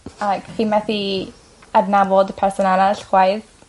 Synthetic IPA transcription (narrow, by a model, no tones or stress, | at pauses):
akθimaθi | adnavɔdpʰɛrsɔnalaɬχwajð